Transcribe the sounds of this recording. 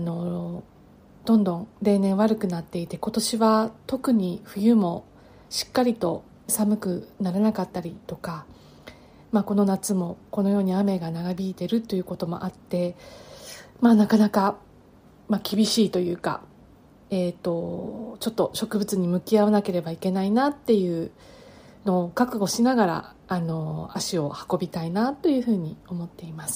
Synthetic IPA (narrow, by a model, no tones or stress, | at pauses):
ano̞ | d̪̥õ̞nd̪õ̞ŋɾe̞ːnẽɰ̃βaɾɯ̟kɯ̟nat̪ːe̞it̪e̞ko̞t̪o̞ɕiβat̪o̞kɯ̟ɲ̟iɸɯ̟jɯ̟mo̞ | ɕi̥kːaɾʲit̪o̞ | samɯ̟kɯ̟naɾanakat̪ːaɾʲit̪o̞ka | mako̞no̞nat͡sɨmo̞ko̞no̞jo̞ːɲ̟iame̞ɡanaɡabʲiːt̪e̞ɾɯ̟t̪ːo̞jɯ̟ːko̞t̪o̞mo̞̰ʔat̪ːe̞ | manakanaka | makʲibʲiɕiːt̪o̞jɯ̟ːka̰ | eːt̪ːo̞t͡ɕo̞t̪ːo̞ɕo̞kɯ̟bɯ̟t͡sɨɲ̟imɯ̟kʲiaβanake̞ɾe̞baike̞nainat̪ːe̞jɯ̟ː | no̞ːkakɯ̟ɡo̞ɕinaɡaɾa̰ | ano̞aɕio̞hḁko̞bʲit̪ainat̪ːo̞jɯ̟ːɸɯ̟ːɲ̟io̞mo̞t̪ːe̞imasɨ̥